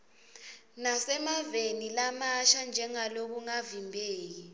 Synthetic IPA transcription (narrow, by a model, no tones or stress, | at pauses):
nasɛmavenilamaʃand͡ʒʱɛŋalok̬uŋavimbʱeːk̬i